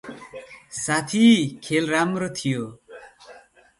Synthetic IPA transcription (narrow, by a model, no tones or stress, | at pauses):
sat̪ʰikʰelɾamɾot̪ʰijo